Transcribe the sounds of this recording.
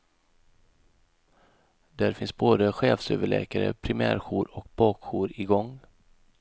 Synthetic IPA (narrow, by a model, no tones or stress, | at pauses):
d̪æɾfɪnsboːd̪əɧeːfsøːvəɭɛ̰ːkaɾə̰pʰɾɪmæ̰ːɾɧuːɾɔkbɑːkɧuːɾɪɡɔŋ